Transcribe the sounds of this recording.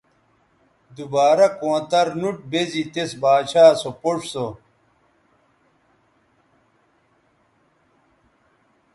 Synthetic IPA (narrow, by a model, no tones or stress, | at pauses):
d̪ubaːɾɐkõːt̪ɐɾnuʈ̚bezit̪esbaːɕaːsopoʂso